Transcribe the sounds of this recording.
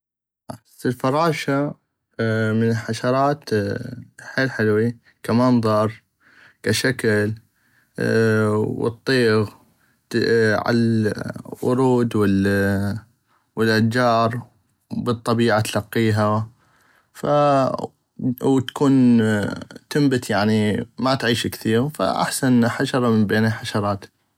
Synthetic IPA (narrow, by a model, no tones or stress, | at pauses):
ʔaħasɪlfɑɾˤɑːʃa | mɪnɪlħaʃɑɾˤɑːt̪ | ħeːlħɪlwi | kamɑnðˤɑɾˤ | kaʃakl | wɨ̰t̪ˤːiːɣ | ʕa̰a | wʊ̰ɾuːd̪wɪl | wɪlʔad͡ʒɑːɾˤ | bɨt̪ˤːɑbiːʕat̪alɑqːiːɦa | fa | wt̪ḁkuːn | t̪ɪmbɪt̪jaʕnimat̪ʕiːʃkθiːɣfa̰ʔa̰ħsanħaʃɑɾˤɑmɪmbeːnaħaʃɑɾˤɑːt̪